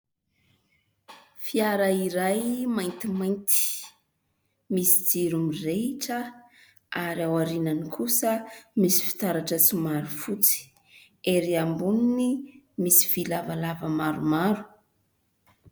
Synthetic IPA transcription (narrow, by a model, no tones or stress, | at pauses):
fiaɾaiɾajmajnt̪imajnt̪i̥ | misid͡ziɾumireiʈ͡ʂə | aɾiawaɾinanikʰusəmisi̥fi̥t̪aɾaʈ͡ʂət͡simaɾufut͡si̥ | eɾiambuninimisi̥vilavalavəmaɾumaɾu̥